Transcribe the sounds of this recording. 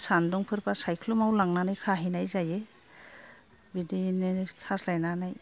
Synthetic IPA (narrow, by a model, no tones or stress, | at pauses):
sandɔŋpʰɯɾpasajkʰlumawlaŋnanajkʰaɦinajzaje | bidinekʰaslajnanaj